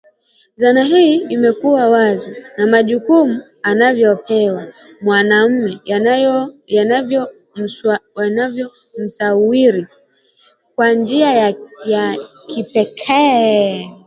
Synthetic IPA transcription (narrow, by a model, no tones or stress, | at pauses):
zanaɦiimɛkuwawazɔnamaʄukumu | anavjɔpɛwa | mwanam̩mɛ | jaavɔ | wanavjɔ | m̩sawiɾi | kwand͡ʒiajja | kipɛkʰɛ